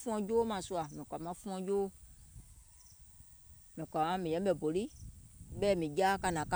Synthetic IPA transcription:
fũ˦ɔ̃˧d͡ʒoː˦mã˨su˧a˨mĩ˨kʷa˨mã˧˦fũ˦ɔ̃˧d͡ʒoː˦ | mĩ˨kʷa˨mã˦mĩ˨jɛ̃˦ɓɛ˨bo˨li˦ɓɛː˦mĩ˨d͡ʒa˦ka˧˨nã˨ka˦

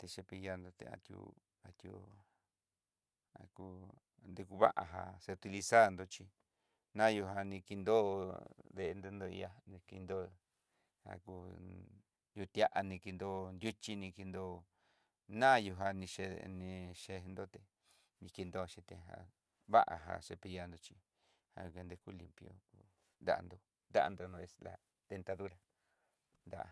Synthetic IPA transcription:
t̪e˧ʃe˧pi˧ja˧nd̪o˧t̪ḛ˧a̰˧t̪ʲjṵ˧ | a˧t̪jṵ˧ | a̰˧ku˧ | nd̪e˧ku˧βa̰˦ʔa˧ɦa̰˧se˧t̪i˧li˧sa˦˨˧nd̪o˧t͡ʃi˧ | nã˦˧ju˧ɦa˧nĩ˧ki˧nd̪o˦˧ðe˧ʔe˧nd̪o˧nd̪o˧ḭ˧a˧nĩ˧ki˧nd̪o˦ | a̰˧ku˧ | ju˧t̪ja˦˧ʔa˧nĩ˧ki˧nd̪o˦nd̪ʲu˦t͡ʃi˦nĩ˧ki˧nd̪o˧ | nã˦˧ju˧ɦa˧nĩ˧ʃe˧nĩ˧ʂe˧nd̪o˦t̪e˨ | nĩ˧ki˧nd̪o˧ʃi˧t̪e˧ɦa̰˧ | βa˦ʔa̰˨ɦa̰˧ʂe˧pi˧ja˧nd̪o˧t͡ʃi˧ | ha̰˧ke˧nd̪e˧ku˦li˨mpjo̰˦ku˧ | nd̪a̰˨a̰˧nd̪o˧ | nd̪a̰˦a̰˧nd̪o˧nõ˧e˧sla̰˧ | t̪e˧nt̪a˧ðu˦ɾa˧ | nd̪a̰˦ʔa̰˨

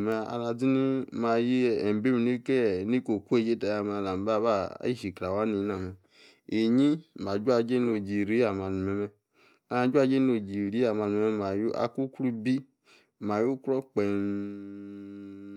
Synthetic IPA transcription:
me˧˨a̰˧la˧d͡zi˦ni˦ma˧ji˦˨ɛ˨m˨be˦mi˨ni˦kɛ˦˨ni˦ko˨ku˦e˦˨d͡ʒe˦ta˨ja˧ma˨la˨m˨ba˦ba̰˦˨˦i˦ʃi˨kɾa˨wa˦ni˧˦na˨mɛ˨ | e˨ɲi˦ma˨d͡ʒu˦a˧d͡ʒe˦n˦o˧˨d͡ʒi˨ɾi˦a˨ma˨˧˨nu˨me˨mɛ˧ | a˦˧˦d͡ʒu˦a˦˧d͡ʒe˦n˦o˧d͡ʒi˨ɾi˦a˨ma˧nu˨˦mɛ˦ma˨ju˦a̰˧˨ku˦kɾu˦bi˦ | ma˨ju˦kɾɔ˦k͡pe˨n

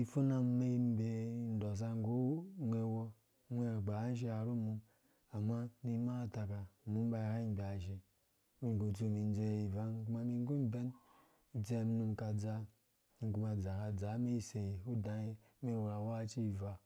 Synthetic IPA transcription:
i˨fu˦na˦m˦me˦i˦m˦be˨˦n̩˦do˨s̬a˦ŋ˦ɡo˦mʷe˨wo˦ | mʷ˦e˦˨ɡ͡ba˨˦n̩˦ʃ̬e˦a˨ɾo˦mu˧m | a˨ma˦ni˦ma˦˨ta˨ka˨mu˦m˦ba˦˨ɾa˦˨bʲa˨ʒe˨ | u˦ɲ˨ɡo˨tu˦˨mi˨n˦d͡ze˦˨i˨va˨˦ku˦ma˦mi˦ŋ˦ɡu˦m˦be˦n | u˦d͡ze˦˨m˦nu˨mka˨d͡za˨ | ŋ̩˨ku˦ma˨d͡za˨ka˨d͡za˨˦me˦i˦se˨ji˨u˦da˨e˦me˦˨wo˨ɾa˨wa˦t͡ʃi˦˨va˨

